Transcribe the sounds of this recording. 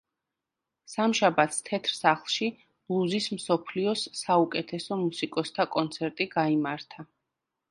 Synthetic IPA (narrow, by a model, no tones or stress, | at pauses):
samʃabat̪ʰst̪ʰɛt̪ʰɾsaχlˠʃi̥ | lˠuzismsɔpʰliɔsːaukʼɛt̪ʰɛsɔmusikʼɔst̪ʰakʼɔnt̪sʰɛɾt̪ʼiɡaimaɾt̪ʰa